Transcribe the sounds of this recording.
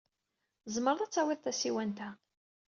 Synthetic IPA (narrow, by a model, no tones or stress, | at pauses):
zˤməɾðˤæt͡sːæwiðˤθæsiwænt̪æ